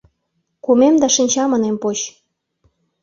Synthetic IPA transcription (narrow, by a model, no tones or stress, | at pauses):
kumemd̪ɑʃinʲt͡ɕɑmɤ̆nempot͡ɕ